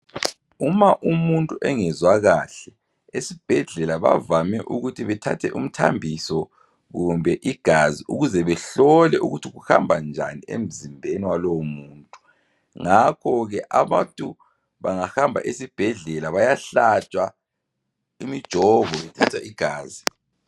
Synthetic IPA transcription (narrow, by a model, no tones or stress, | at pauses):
umaʔumuntʼuʔɛŋɛzwaɣaɬɛ | esib̥ʱɛɮɛlaβa̰vamɛʔuɣutʰiβɛtʰa̰tʰɛʔum̩tʰa̰mbʱisɔ | ɣumbʱɛʔiɡ̥ʱaziʔuɣuzɛβɛɬɔlɛʔuɣutʰiɣuha̰mbʱand͡ʒʱa̰niḛm̩zimbʱeniwalɔwmuːntʼu | ŋakʰɔɣɛʔaβantʼu | βaŋahambʱa̰ʔesib̥ʱɛɮɛlaβajaɬat͡ʃʼwa | imid̥ʒ̥ʱɔvɔβɛtʰatʰaʔiɡ̥ʱaːzi